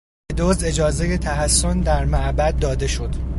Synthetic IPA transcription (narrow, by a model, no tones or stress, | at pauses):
ed̪ozd̪e̞d͡ʒɒːzeje̞t̪ʰæɦæsːond̪æɾmæʔbæd̪̚ːɒːd̪e̞ʃo̞d̪̥